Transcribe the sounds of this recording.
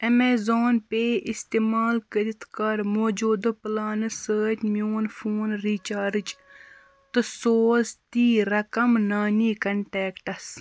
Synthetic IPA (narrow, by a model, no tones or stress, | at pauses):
ɐmeːzoːnpeːʔist̪eːmaːlkəɾit̪ʰkɐɾmoːd͡ʒuːd̪ɨplaːnɨsəːtmijoːnfʰoːnɾiːt͡ʃaːɾd͡ʒ | t̪ɨsoːst̪iːɾɐkɐmnaːniːkɐɳʈɛːkʈɐs